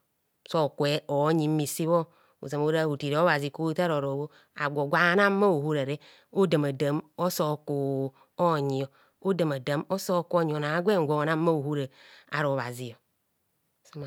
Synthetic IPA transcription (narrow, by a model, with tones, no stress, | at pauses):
so˦˨kwe˦o˨˦ɲi˨˦mi˨si˦βo˦ | ṵ˨za˨mo˦ɾa˦˨u˨ti˨ɾo˦βa˨zi˨ko˦ta˦ɾo˨ɾo˨wo˦ | a̰˨ɡʷo˨ɡʷa˨˦na˦ma˦o˨hu˦ɾa˨ɾe˦ | o˦da˨ma˨da˨˦mo˦so˦˨ko˨ | o˦˨ɲi˨o˨ | o˦da˨ma˨da˨˦mo˦so˦ko˦ɲ˨o˨na˨˦ɡʷe˦˨ŋ˨ɡʷo˨na˦ma˦o˨hu˦ɾe˨a̰˨˦ɾo˨βa˨zi˨o˨ | so˦ma˨